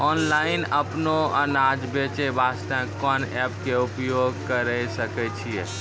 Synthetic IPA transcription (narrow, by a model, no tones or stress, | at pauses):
ɔnlainəpnoənad͡ʒbet͡ʃɛbast̪ə̃kɔnɛpkeupjoɡ̚kəɾəsəkɛt͡ʃʰie